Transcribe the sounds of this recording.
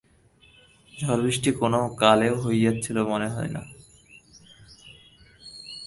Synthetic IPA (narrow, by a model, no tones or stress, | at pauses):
d͡ʑʱɔɾbɾiʃʈikonokaleɦojjatːɕʰilomoneɦɔena̰